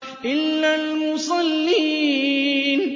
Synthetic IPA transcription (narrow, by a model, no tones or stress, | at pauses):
ʔɪlːalmʊsˤɑlːiː | n